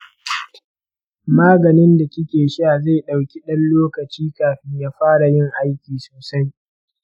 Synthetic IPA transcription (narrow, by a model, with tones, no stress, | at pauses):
maː˦ɡɐ˨nɪ˦nda˨kʲɪ˦kʲeː˨ʃi˦ʔa˨za˦˨ɗa˨wkʲi˦ɗɐ˦nloː˦kɐ˨t͡ʃiː˦kaː˨ɸɪ˦ɲjaː˦ɸaː˦ɽa˨jɪ˦ŋʔa˦jkʲiː˨soː˨sɐ˦j